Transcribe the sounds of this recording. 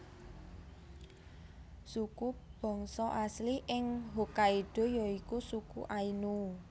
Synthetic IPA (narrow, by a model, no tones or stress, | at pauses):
sukub̥ɔ̤ŋsɔʔasliʔɪŋɦokaiɖ̪̥o̤jɔikusukuʔainu